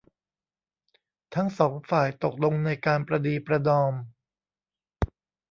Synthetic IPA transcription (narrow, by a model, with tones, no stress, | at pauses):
t̪ʰa˦˥ŋsɔː˩˦ŋfaː˨˩jt̪o˨˩k̚lo˧ŋna˧jkaː˧npɾa˧diː˧pɾa˧dɔː˧m